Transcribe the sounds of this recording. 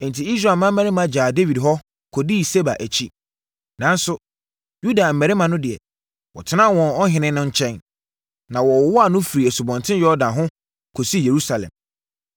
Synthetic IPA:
ɛ̃˨n˨tʰi˨i˦sɾa˨mã˦m̩˦mæ̃˦ɾɪ˦mã˨˦d͡ʑaː˨de˦wi˨dɦɔ˦ | kʰɔ˨di˦˨se˦ba̰˨ʔæ˨t͡ɕʰi˦ | nã˨nsʊ˨ | ju˦da˨m̩˨mæ˨ɾɪ˦mã˨nʊ̃˦dɪ˨ɛ̰˨ | wɔ̰˨tʰɪ˦nã˦˨wɔ̃˨nɔ˦ɦɪ̃˨nɪ̃˦nʊ̃˦ɲ̩˦t͡ɕʰɛ̃˦n | nã˨wɔ˨wwɔ˦a˨nʊ̃˦fi˨ɾi˨æ˨su˨bɔ̃˨ntʰɪ̃˦jɔ˦ɔ˦dã˨ɦʊ̃˦ | kʰo˨si˦je˨ɾu˦sa˨lɛ̰̃˨m

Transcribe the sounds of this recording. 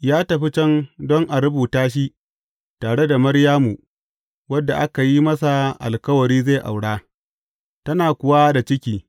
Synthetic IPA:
jaː˦tɐ˨ɸi˦t͡ʃɛ˦ndɔ˦ŋʔa˨ɾʊ˦buː˨taː˦ʃ̬i˦ | taː˨ɽe˦da˨mɐ˦ɽjaː˦mu˨ | wɐ˦dːa˨ʔa˦ka˨ji˦mɐ˦sa˨ʔa̰˨lkɐ˦wɐ˨ɾiː˦ze˦˨ʔa̰˨wɽaː˦ | tɐ˦naː˨kʷʊ˨wa˦da˨t͡ʃɪ˦kʲiː˦

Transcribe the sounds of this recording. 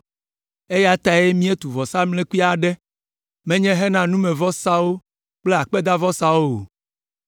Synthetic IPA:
e˦ja˦t̪a˨je˦mĩ˦e˦t̪u˨vɔ˨sa˦mle˦ku˦i˦a˨ɖɛ˦ | mɛ̃˦ɲɛ̃˦ɦɛ˦nã˨nũ˦mɛ̃˨vɔ˦sa˦wo˦ | k͡ple˦a˨k͡pe˦d̪a˦vɔ˦sa˦wo˦o˨

